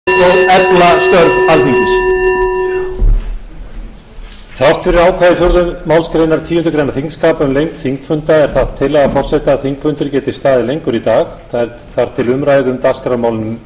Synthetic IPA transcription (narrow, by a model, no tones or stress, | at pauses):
oɛplast̪œɾðalhiŋcɪs | θar̥t̪fɪɾɪɾaːwkʰvaðɪθjowɾðʏmːawlskɾejnaɾt̪ʰiːhʏnt̪ʏkʰɾejnːaθiŋskaːpʏmlejŋkθiŋkfʏnt̪aɛɾ̥θaðt̪ʰːɪlaɣfɔr̥sɛht̪aːðθiŋkfʏnt̪ɪɾcɛːt̪ɪ̥st̪aːðɪlejŋkʏɾit̪aːxθaɛɾ | θaɾ̥t̪ʰɪlʏmɾaːjðʏmt̪askɾamaːwlʏnʏm